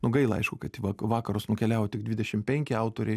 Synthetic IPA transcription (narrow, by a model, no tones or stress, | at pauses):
nʊɡɐɪlˠɐɐɪʃkʊkɐt̪ʲiʋɑkʋɑːkɐɾʊsnʊkʲɛlʲæːʋoːt̪ʲɪɡd̪ʲʋʲɪdʲɛʃʲɪmpʲɛŋʲkʲɪɐʊt̪oːɾʲɛɪ